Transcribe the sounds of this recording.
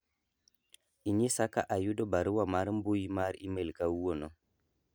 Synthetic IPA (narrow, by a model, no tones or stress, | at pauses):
iɲisaka̰ʔajudɔbaɾuwamaɾmbojimaɾimelkawuwonɔ